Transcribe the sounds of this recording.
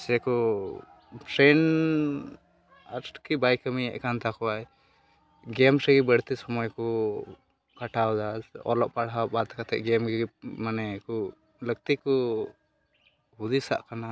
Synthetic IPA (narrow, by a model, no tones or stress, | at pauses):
sɛkɔ | pʰɾɛn | askibajkəmiɛ̰ʔkant̪akɔwaj | ɡɛmɾɛɡibəɽt̪ɛsɔmɔjkɔ | kaʈʰawd̪aɔ̰lɔʔpaɽɦabat̪kat̪ɛ̰ʔɡɛmɡɡimanɛkɔ | ləɡ̚t̪ikɔ | hud̪isa̰ʔkana